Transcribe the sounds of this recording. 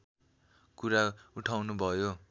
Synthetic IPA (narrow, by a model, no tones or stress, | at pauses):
kuɾauʈʰawnubʱʌjo